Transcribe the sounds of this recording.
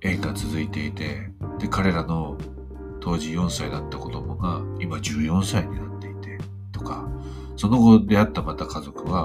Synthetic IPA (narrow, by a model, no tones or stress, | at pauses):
ẽ̞ik̪at͡sɨzɨit̪e̞it̪e̞ | d̪̥e̞kaɾe̞ɾano̞ | t̪o̞ːʑijõ̞ɰ̃said̪at̪ːako̞d̪o̞mo̞ɡaimad͡ʑɨːjõ̞ɰ̃saiɲ̟inat̪ːe̞it̪e̞ | t̪o̞ka | so̞no̞ɡo̞d̪e̞at̪ːamat̪akazo̞kɯ̟βa